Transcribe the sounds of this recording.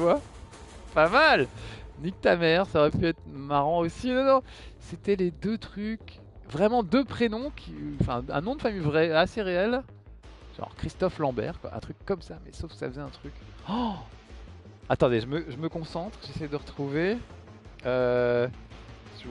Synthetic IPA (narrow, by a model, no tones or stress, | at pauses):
t̪yvwa | pamalnik̚t̪amɛʁsaɔʁɛpyɛt̪χmaʁɑ̃osinɔnɔ̃ | set̪ɛled̪øt̪χykʲ | vʁɛmɑ̃d̪øpχenɔ̃kʲʰiɑ̃fɛ̰̃ɛ̰̃nɔ̃d̪əfamijvʁɛaseʁeɛl | ʒ̥ɑ̰̃ʁkχist̪ɔflɑ̃bɛ̰ʁkwa̰ʔɛ̰̃t̪χykːɔmsamɛ̰sofkə̥sa̰fəzɛɛ̃t̪χyk | at̪ɑ̃d̪eʒəməʒəməkɔ̃sɑ̃t̪χʒesɛjd̪əʁət̪χuve | ø | t̪yvwa